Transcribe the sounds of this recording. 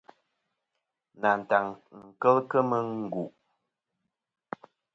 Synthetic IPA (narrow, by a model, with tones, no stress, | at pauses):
na˨n̩˨ta˨ŋŋ̩˨kə˦lkə˦mə˦ŋ̩˨ɡu˨ʔ